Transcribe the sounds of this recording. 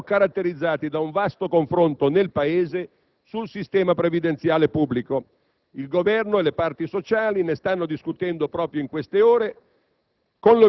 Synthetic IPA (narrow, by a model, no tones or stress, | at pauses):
kaɾat̪ːeɾid̪zːaːt̪id̪auɱvast̪okoɱfɾont̪onelpaeːze | sulsist̪ɛːmapɾevid̪ent̪sjaːlepubːliko | ilɡovɛrnoelepart̪isot͡ʃaːlinest̪anːod̪iskut̪ɛnd̪opɾɔːpɾjoiŋkwest̪eoːɾe | konlo